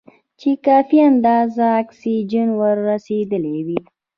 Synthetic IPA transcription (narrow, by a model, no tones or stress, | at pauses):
t͡ʃekɑfiand̪ɑzaːksid͡ʒənwəɾːased̪əlewi